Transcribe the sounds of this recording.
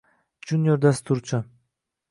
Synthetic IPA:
d͡ʒunʲjoɾd̪ast̪uɾt͡ʃʰʊ

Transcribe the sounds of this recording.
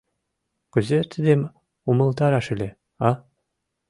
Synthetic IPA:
kɵ̆zeɾt̪ʰɘ̆d̪em | umɤ̆lˠt̪ɑɾɑʃɘ̆lʲe | ɑ

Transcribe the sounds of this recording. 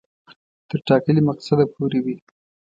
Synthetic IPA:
t̪əɾʈɑkəlimaqsad̪apoɾewi

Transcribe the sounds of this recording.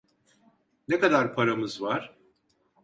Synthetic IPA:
nekad̪aɾpʰaɾamɯzvaɾ̥

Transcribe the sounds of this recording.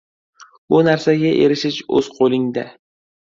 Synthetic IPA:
ʊnaɾsaɡʲaʔe̞ɾɪʃɪʃɵ̰z̥qʰolˠɪŋd̪a

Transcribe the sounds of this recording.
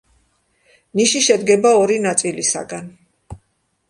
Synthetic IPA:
niʃiʃɛd̪ɡɛbaɔɾinat̪sʼilisa̰ɡan

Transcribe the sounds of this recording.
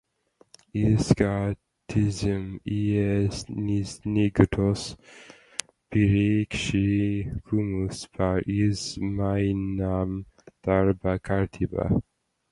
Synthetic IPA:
iska | t̪ʰizəmiɛsnisniɡɔt̪ʰɔs | piɾikʃikʰumuspʰaɾizmajnam | t̪aɾbakʰaɾt̪ʰiba̰

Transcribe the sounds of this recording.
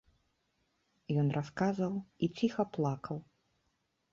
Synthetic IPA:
jɔnraskazɐwit͡sʲixɐplˠakʰɐw

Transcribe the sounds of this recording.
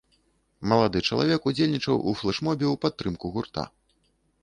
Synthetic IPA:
mɐlˠad̪ɨt͡ʂɐlˠa̰vʲɛkud͡zʲelʲnʲit͡ʂɐwʔṵflˠɛʂmɔbʲɛwpat̪ːɾɨmkuɣurt̪a̰

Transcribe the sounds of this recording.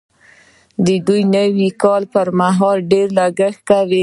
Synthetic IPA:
d̪əd̪ujnəwikɑlpəɾmaɦɑlɖeɾlaɡəxkawi

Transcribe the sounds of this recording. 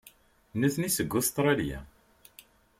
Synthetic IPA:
nəθnisəɡːʊst̪ɾˤɑljæ̰

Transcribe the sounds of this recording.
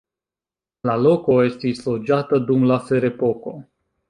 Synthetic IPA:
lalokojest̪islod͡ʒat̪əd̪umlafeɾepoko

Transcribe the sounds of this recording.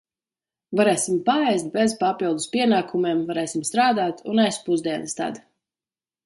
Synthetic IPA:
vaɾɛːsʲimpaɛjst̪̚bezpapilˠd̪uspiɛnaːkumeɛmvaɾɛːsʲimst̪ɾaːd̪aːt̪unajspuzd̪iɛnɨst̪a̰d̪

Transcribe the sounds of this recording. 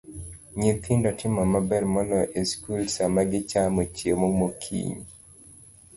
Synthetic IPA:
ɲit̪ʰɪndɔtʰɪmɔmabɛrmɔlɔʔeskulsamaɡɪt͡ʃamot͡ʃiemoŋmokʰḭɲ

